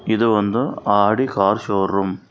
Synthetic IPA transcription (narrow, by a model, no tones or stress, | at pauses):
ɪðɯʋɐnd̪ɯaːɽikaːɾʃoːrɯm